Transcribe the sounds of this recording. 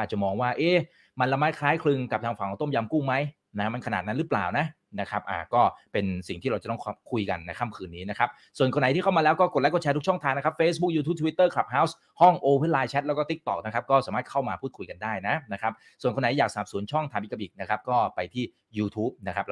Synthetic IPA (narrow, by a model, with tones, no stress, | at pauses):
aː˨˩t͡ɕa˨˩mɔː˧ŋwaː˥˩ʔeː˥˩ | ma˧nla˧maː˦˥t̪̚kʰlaː˦˥jkʰlɯ˧ŋka˨˩p̚t̪ʰaː˧ŋfa˨˩ŋkːɔ˧˩˦t̪o˥˩mja˧mkuː˥˩ma˦˥j | na˦˥ma˧nkʰa˧naː˨˩na˦˥nɾɯ˦˥pla̰ː˨˩wna˦˥ | na˦˥kʰɾa˦˥p̚ʔa̰ː˨˩kɔː˥˩pe˧nsi˨˩ŋt̪ʰiː˥˩ɾa˧wt͡ɕt̪ɔ˥˩˧kʰu˧jka̰˧nːa˧jkʰa˥˩mkʰɯː˧nːiː˦˥na˦˥kʰa˦˥p̚ | su˨˩ənko˧nːa˩˦j̪ʰiː˥˩kʰma˧lɛː˦˥wkɔː˥˩ko˨˩t̚lɛ˦˥kɔː˧˩t͡ɕʰɛː˧t̪ʰu˥t͡ɕʰɔ˥˩ŋt̪ʰaː˧ŋnːa˦˥a˥p̚feː˦˥sbu˦˥k̚juː˧t̪ʰu˦˥p̚t̪ʰi˦t̪ːɤː˥˩kʰla˨˩p̚haː˦˥ws | hɔ˥˩ŋʔoː˧we˦˥˩laː˧jt͡ɕʰɛ˦˥t̪̚lːwkɔː˥˩t̪i˦˥k̚t̪ɔ̰˨˩k̚na˦˥kʰa˦˥p̚kɔː˥˩saː˩˦maː˥˩t̪̚kʰa˥˩wmaː˧pʰuː˥˩kʰu˧jka˧ndaː˥˩jna˦˥na˦˥kʰɾa˦˥p̚ | su˨˩nko˧nːa˨˦jaː˨˩k̚saː˨˩p̚su˨˩˦ənt͡ɕʰɔ˥˩ŋt̪ʰaː˧mʔi˨˩ka˧˩ʔi˨˩k̚na˦˥kʰa˦˥p̚kɔː˥˩pa˧jt̪ʰiː˥˩ | juː˧t̪ʰuː˦˥p̚na˦˥kʰa˦˥p̚